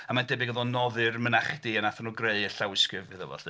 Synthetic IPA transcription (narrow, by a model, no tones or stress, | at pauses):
amandɛbɪɡəðɔnɔðɨrmənaχd̥iənaθɔnuːɡreɨəɬawɪskɨvɨðəvɔ̰ɬ